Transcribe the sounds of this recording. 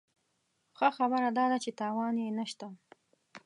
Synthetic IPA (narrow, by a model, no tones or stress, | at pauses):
xəxabəɾad̪ɑd̪at͡ʃet̪ɑwɑnjenəʃt̪a